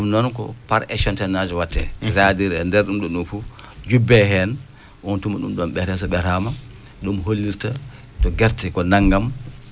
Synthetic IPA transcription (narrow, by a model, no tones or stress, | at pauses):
ɗumnɔnkɔ̰paɾɛʃɔntɛnad͡ʒɛwatːɛ̰sadiɾɛndɛɾɗumɗɔɗunfu | d͡ʒubɛɦɛn | wɔntumaɗumɗɔmɓɛɾɛs̬ɔɓɛɾama | ɗumɦolːiɾta | tɔɡɛɾtikɔnaŋɡam